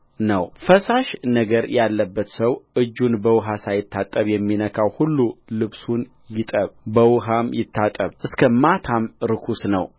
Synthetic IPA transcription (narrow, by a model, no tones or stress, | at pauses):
nəwfəsaʃnəɡəɾjalːəbːət̪səwʔɨd͡ʒːunbəwʊɦasajɪt̪ʰːat̪ʼːəβjɛmːinəkʰawhulːulɨβsun | jɪt̪ʼəβbəwʊɦamjɪt̪ʰːat̪ʼəβʔɨskʰəmat̪ʰamɾɨkʰusnəw